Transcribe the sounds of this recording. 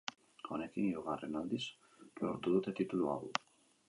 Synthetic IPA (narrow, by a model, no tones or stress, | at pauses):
o̞nekiniuɣare̞nald̪is | loɾt̪uðut̪e̞t̪it̪ulua̰ɣu